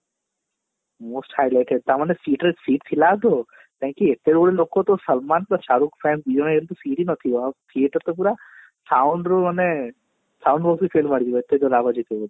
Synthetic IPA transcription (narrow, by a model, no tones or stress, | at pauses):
moːsʈhaːjlajʈeɖ̚t̪amanesiːʈɾesiːʈt̪ʰilaːd̪o | t̪ʰãŋkuet̪ːed̪koɽeloːkot̪osɐlmaːnpuɾaʃaːɾuːkpʰɛːnsbid͡ʒoɽ̃aelt̪usiːʈinɐt̪ʰijoat̪ʰijeʈɐɾt̪op̬uːɾa | sawɳɖɾumanːe | sawɳɖbɔːksipʰeːlmaːɽid̪iʋoet̪ːed̪olaːbad͡ʒit̪eɡod̪